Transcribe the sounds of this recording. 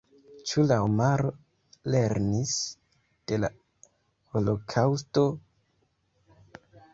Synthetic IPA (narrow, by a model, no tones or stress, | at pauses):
t͡ʃulaomaɾo | le̞ɾnis | d̥e̞la | holo̞kʰawsto̞